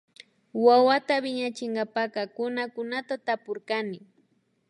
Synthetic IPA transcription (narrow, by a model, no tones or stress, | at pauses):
wawat̪abɪɲat͡ʃɪŋɡapakɑkʊnakʊnat̪at̪apʊɾkanɪ